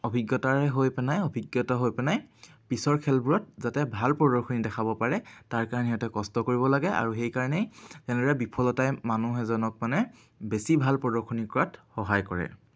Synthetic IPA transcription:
ɔbʱiɡjɔtaɹɛɦojpɛnajɔbʱiɡjɔtaɦojpɛnaj | pisɔɹkʰɛlbuɹɔt̚zatɛbʱalpɹɔdɔɹkʰonidɛkʰabɔpaɹɛtaɹkaɹanɛɦatɛkɔstɔkoɹibɔlaɡɛʔa̰ɹuxejkaɹɔnɛjzɛnɛdɔɹɛbipʰɔlɔtajmanuɦɛzɔnɔk̚manɛ | besibʱalpɹɔdɔɹkʰonikɔɹatxɔɦajkɔɹɛ̰

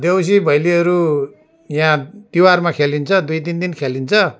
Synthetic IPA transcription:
d̪ews̬ibʱʌjliɦʌɾu | jãt̪iwarmakʰelint͡sʰʌd̪ujt̪ind̪inkʰelint͡sʰʌ

